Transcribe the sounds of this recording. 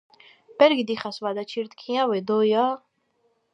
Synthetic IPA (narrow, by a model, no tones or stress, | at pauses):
b̥ɛɾɡid̪iχasvad̪at͡ʃʰiɾt̪kʰĩãwɛd̪ɔja